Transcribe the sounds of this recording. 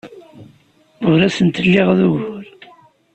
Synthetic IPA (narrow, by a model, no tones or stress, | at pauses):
ʊɾæsənt̪əlːɪʁðuʝʊɾ